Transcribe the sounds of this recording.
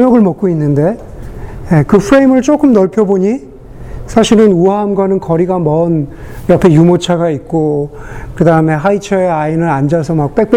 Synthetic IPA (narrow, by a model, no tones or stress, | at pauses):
jʌɡɯɭmʌk̚k͈oinːɯnde̞ | jekɯpʰɾe̞imɯɭt͡ɕ͈ok͈ɯmnʌɭpʰjʌboɲi | sʰaɕʰiɾɯnuaɦamɡʌnɯnkʌɾiɡamʌnjʌpʰe̞jumot͡ɕʰaɡaik̚k͈okɯdaɯme̞ɦait͡ɕʰʌeainɯɾand͡ʑasʰʌmak̚p͈e̞k̚p͈e